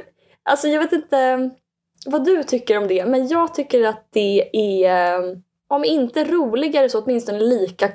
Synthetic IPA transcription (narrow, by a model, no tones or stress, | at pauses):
ʔa̰lsɔjɑːveːt̪ɪnt̪ə | vad̪ɵt̪ʰʏkːəɾɔmd̪ɛmɛnjɑːɡt̪ʰʏkːəɾat̪̚d̪̥ɛæ | ɔmɪnt̪əæɾuːlɪɡaɛɾɛsɔɔt̪mɪnst̪ɔnəliːka